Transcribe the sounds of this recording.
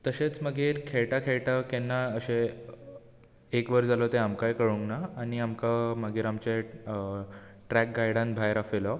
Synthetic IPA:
t̪əɕet͡sməɡʱiːɾkʰeɭʈakʰeɭʈakenːaəɕe | ekʋəɾd͡zalɔt̪eamkajkəɽuŋɡnaːɽ̃iamkaməɡiːɾamt͡ɕe | ʈɾæk̚ɡajɽãnbʱajɾafelɔ

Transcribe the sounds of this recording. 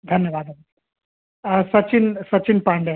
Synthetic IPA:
d̪ʱɐnjəʋaːd̪a | sɐt͡ʃɪnsɐt͡ʃɪnpãːɳɖe

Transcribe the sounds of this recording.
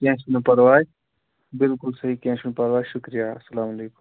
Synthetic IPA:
kɛ̃ːʃunpɐɾʋaːd͡ʒ | bɪlkʊlsɐɦikɛ̃ːʃunpɐɾʋaːjʃʊkɾijaːɐsːɐlaːmɐleːkʊm

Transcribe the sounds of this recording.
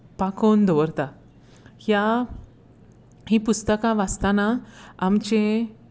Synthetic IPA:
pakond̪ɔʋəɾt̪a | hja | hipust̪əkãʋast̪anaːmt͡ɕẽ

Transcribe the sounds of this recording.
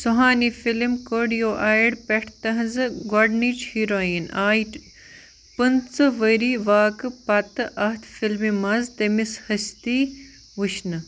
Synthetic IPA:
suɦaːnifilmkoːɖijoːʔaːjiɽpeʈʰt̪ɐɦɐzɨɡɐɖniːt͡ʃhiɾoːinaːi | pɐnt͡sɨʋɐɾiːʋaːkpɐt̪ɨʔɐht̪ʰfilmimɐzt̪emishɐst̪iː | ʋuʃnɨ

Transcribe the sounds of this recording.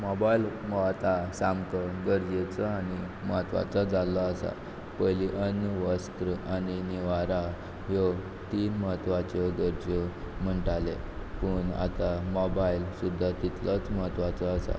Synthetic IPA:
mɔbailmɔat̪asamkəɡəɾd͡ʑet͡səani | məɦət̪ʋa̰t͡sad͡zalɔəsa̰ | pəjliʔənəʋəst̪ɾəaniniʋaɾa | jɔ | t̪iːnməɦət̪ʋat͡ɕɔɡəɾd͡ʑə | m̤əɳʈalepəɳa̰t̪amɔbailsud̪ʱːat̪it̪lət͡sməɦət̪ʋat͡səəsa̰

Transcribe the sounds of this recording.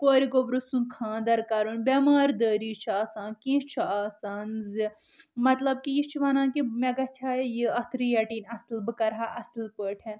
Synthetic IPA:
koːɾiɡobɾusũnkʰãːd̪ɐɾkaːɾunbʲɐmaːɾd̪əːɾiːt͡ʃʰaːsãːnkĩt͡ʃʰaːsaːnzɨ | mɐt̪lɐb̚kijit͡ʃʰiʋɐnãːkimeɡɐt͡ʃʰaːjjiɐt̪ʰɾijɐʈiːnʲɐslbɨkɐɾɦaːʔɐslpəːʈʰɛ̃

